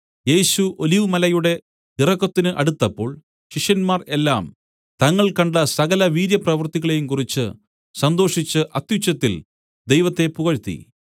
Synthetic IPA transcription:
je̞ːɕuʔo̞liʋɨmɐlɐjuɽe̞ | t̪irɐkːɐt̪ːinɨʔɐɽut̪ːɐpːo̞ːɭ | ɕiʂjɐnmaːre̞lːa̰ːm | t̪ɐŋːɐɭkɐɳɖɐsɐɣɐlɐʋiːɾjɐprɐʋɐrt̪iɣɐɭejumkurit͡ɕːɨ̰ | sɐnd̪o̞ːʂit͡ɕːɨʔɐt̪jut͡ɕːɐt̪ːil | d̪e̞jʋɐt̪ːe̞puɣɐɻt̪ːḭ

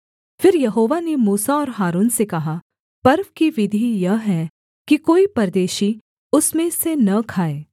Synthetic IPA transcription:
fɪɾjɐɦoːʋanemuːsaɔːɾɦaːɾuːnsekɐɦa | pɐɾʋkiʋɪd̪ʱijɐɦɛ | kikoːipɐɾd̪eːʃi | ʊsmẽsenɐkʰaːeː

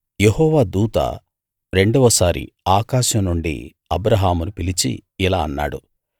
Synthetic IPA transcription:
jehɔːʋaːd̪uːt̪a̰ | ɾe̞ɳɖɐʋɐsaːɾḭaːkaːʃɐmnuɳɖḭ | ɐbɾɐɦaːmunupilit͡ʃḭilaːɐnːa̰ːɽu

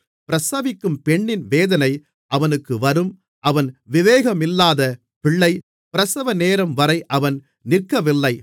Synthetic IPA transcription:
pɪɾɐsaːʋɪkːɯmpɛɳːɪnʋeːðɐnɐɪ | ʔɐʋɐnɯkːɯʋɐɾɯm | ʔɐʋɐnʋɪʋeːɣɐmɪlːaːðɐ | pɪɭːɐɪ | pɪɾɐsɐʋɐneːɾɐmʋɐɾɐɪʔɐʋɐn | nɪrkɐʋɪlːɐɪ

